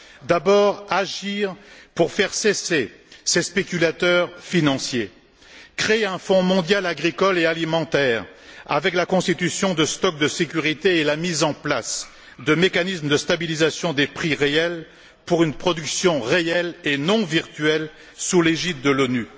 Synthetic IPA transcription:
d̪abɔʁaʒiʁpuʁfɛʁsese | sespekʲylat̪œʁfinɑ̃sje | kχeeɛ̃fɔ̃mɔ̃d̪jalaɡʁikɔlealimɑ̃t̪ɛʁa̰vɛklakɔ̃st̪it̪ysjɔ̃d̪əst̪ɔk̚d̪əsekʲyʁit̪eelamizɑ̃plas | d̪əmekanismd̪əst̪abilizasjɔ̃d̪epχiʁeɛl | puʁynpχɔd̪yksjɔ̃ʁeɛlenɔ̃viʁt̪ɥɛl | suleʒit̪̚d̪əlony

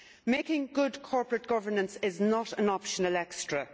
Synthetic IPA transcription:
meɪkɪ̃ŋɡʊdkʰɔɹpɹət̚ɡ̥ʌvə˞nə̃nsɪznəɾə̃nɑpʃənəlɛkstɹ̥ə

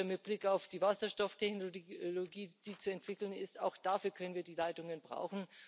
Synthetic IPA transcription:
mɪt̚b̥lɪkaʊfd̥iːvasɐʃtɔftʰɛçnloɡiːd̥iːt͡suɛntv̥ɪkl̩nɪstaʊxd̥aːfyːɐkʰœnənviːɐdiːlaɪtʊŋənbʁa̰ʊxn̩

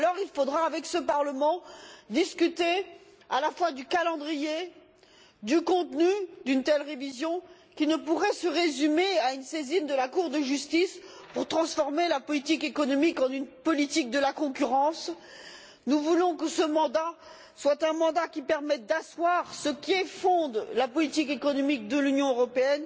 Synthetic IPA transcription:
alɔʁilfod̪ʁaːvɛksəpaʁləmɑ̃d̪iskʲyt̪e | alafwad̪ykalɑ̃d̪ʁije | d̪ykɔ̃t̪nyd̪ynt̪ɛlʁevizjɔ̃ | kʲinəpuʁɛsəʁezymeaynsezind̪əlakuʁd̪əʒyst̪is | puʁt̪χɑ̃sfɔʁmelapɔlit̪ikekɔnɔmikɑ̃nynpɔlit̪ik̚d̪əlakɔ̃kʲyʁɑ̃s | nuvulɔ̃kəsəmɑ̃d̪a | swat̪ɛ̃mɑ̃d̪akʲipɛʁmɛt̪̚d̪aswaʁsəkʲiefɔ̃d̪lapɔlit̪ikekɔnɔmik̚d̪əlynjɔ̃øʁɔpeɛn

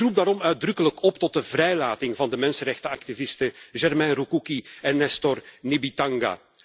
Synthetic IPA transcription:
rup̚daːɾɔmœɥ̚drɵkələkɔptɔt̚dəvrɛjlaːtɪŋvɑndəmɛnsənɾɛxtəɑktivɪstəʒɛrmɛnrukukiɛnːɛstɔrnibitɑŋɡa̰ː

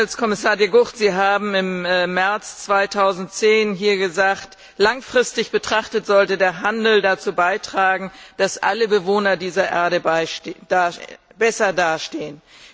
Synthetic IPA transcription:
lskʰɔmɪsaːɐjeɡʊχtz̥iːɦaːbm̩ɪmːɛɐt͡st͡sv̥aɪtʰaʊzn̩tt͡seːnɦiːɐɡəzaːkt | laŋfʁ̥ɪstɪçb̥ətʁ̥aχtətz̥ɔltədeːɐɦandl̩dat͡suːbaɪtʁ̥aːɡŋ̩d̥asʔa̰ləbəvoːnɐdiːzɐʔɛ̰ɐɾəbɪ̥ab̥ɛsɐdaːʃteːən

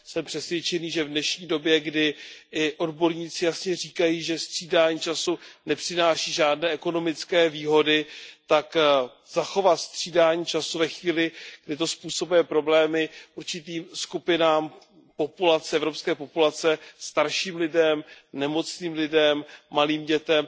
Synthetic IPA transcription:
sɛmpr̥ɛsvjɛt͡ʃɛniːʒɛvdnɛʃɲiːdo̞bjɛɡdɪʔɪʔo̞dbo̞ɾɲiːt͡sɪjasɲɛriːkajiːʒɛst̪r̥iːdaːɲit͡ʃasunɛpr̥ɪnaːʃiːʒaːdnɛːʔɛko̞no̞mɪt͡skɛːviːɦo̞dɪt̪ak | z̥axo̞vat̪st̪r̝̥iːdaːɲit͡ʃasuvɛxviːlɪɡ̥dɪt̪̬o̞spuːso̞bujɛpɾo̞blɛːmɪʔuɾt͡ʃɪt̪iːmskupɪnaːm | po̞pulat͡sɛɛvɾo̞pskɛːpo̞pulat͡sɛst̪aɾʃiːmlɪdɛmnɛmo̞t͡sniːmlɪdɛmːaliːmɟɛt̪ɛm

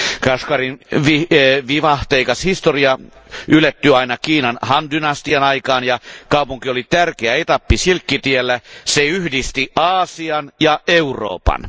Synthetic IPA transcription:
kɑskɑrinʋiʋiʋɑht̪eikɑshist̪oriɑ | ylːæt̪ːyɑinɑkiːnɑnhɑndynɑst̪iɑnɑikɑːnjɑkɑupuŋkiolit̪ærkeæet̪ɑpːisilkːit̪ielːæseyhdist̪iɑːsiɑnjɑeuro̰ːpɑ̰n

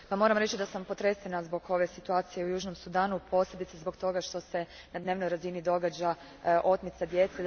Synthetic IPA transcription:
pamo̞ːɾamɾe̞t͡ɕid̪asampo̞t̪ɾesenazbo̞ɡo̞ʋe̞sit̪uaːt̪sije̞ujuːʒno̞msud̪aːnupʰo̞ːslʲeb̪it̪sezbo̞ɡt̪o̞ɡaʃt̪o̞se̞ | nad̪ne̞ːʋno̞jɾazinid̪o̞ɡad͡ʑa | ʔo̞t̪mit̪sad̪je̞t̪se

